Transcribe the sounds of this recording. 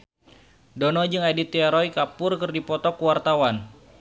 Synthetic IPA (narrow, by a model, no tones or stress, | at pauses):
donɔd͡ʒɨŋadit̪iaɾɔjkapʊrkərdipɔt̪ɔkuwart̪awan